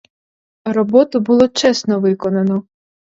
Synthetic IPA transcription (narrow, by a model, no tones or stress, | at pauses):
rɔbɔt̪ʊbʊlˠɔt͡ʃɛsnɔʋɪkɔnɐnɔ